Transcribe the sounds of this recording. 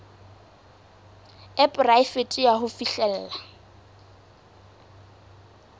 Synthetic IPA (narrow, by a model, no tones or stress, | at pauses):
ɛpʼraɪfetʼijaɦʊfiɬɛl̩ːla